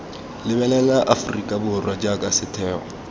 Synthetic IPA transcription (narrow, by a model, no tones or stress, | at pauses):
lɪbɛlɛlaʔafʊrikʼabʊrwad͡ʒakʼasɪtʰɛːɔ̰